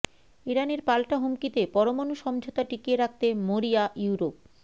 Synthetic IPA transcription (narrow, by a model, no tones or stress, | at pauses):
iɾaneɾpalʈaɦomkit̪epɔɾomonuʃɔmd͡ʑʱot̪aʈikieɾak̚t̪emoɾiajuɾop̚